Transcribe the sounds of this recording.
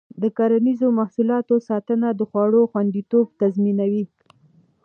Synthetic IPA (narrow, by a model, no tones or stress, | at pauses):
d̪əkaɾanizomahsulɑt̪osɑt̪ənad̪əxwɑɽoxwand̪it̪obt̪azminawi